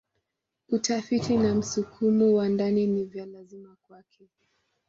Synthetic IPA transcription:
utafitinam̩sukʰumɔwandaninivjalazimakwakʰɛ

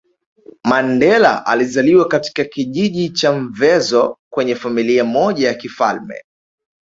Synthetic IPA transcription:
mandɛla̰ʔa̰lizaliwakati̥kakiʄiʄit͡ʃaɱvɛzɔkwɛɲɛfamiliamɔʄajakifa̰lmɛ̰

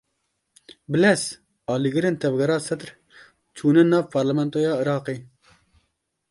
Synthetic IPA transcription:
bɨlɛs | ɑːliːɡɨɾeːnt̪ʰɛvɡɛɾɑːsɛt̪ɾ | t͡ʃʰuːnɛnɑːvpʰɑɾlɛmɛnt̪oːjɑːɨɾɑːqeː

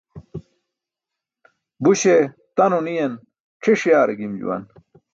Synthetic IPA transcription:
buɕe | t̪ɐnonijɐn | ʈ͡ʂʰeʂjaːɾɐɡimd͡ʑṵwɐ̰n

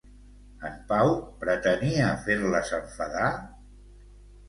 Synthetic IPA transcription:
əmpawpɾət̪əniəfeɾləsəɱfəða

